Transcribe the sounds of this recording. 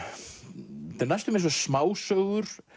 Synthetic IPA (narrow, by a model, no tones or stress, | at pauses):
t̪ɛnajst̪ʏmẽns̬ɛsmaːwsœɣʏɾ̥